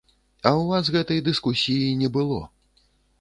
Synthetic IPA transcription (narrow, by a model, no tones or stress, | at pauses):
ɐwvasɣɛt̪ɐjd̪ɨskusʲijinʲɛbɨlˠɔ̰